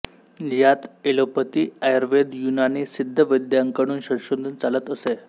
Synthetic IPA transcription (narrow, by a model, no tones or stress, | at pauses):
jat̪elopət̪iːajəɾʋed̪junanisid̪ʱːəʋəjd̪jaŋkəɽ̃uːnɕəɾɕond̪ʱənt͡salət̪əse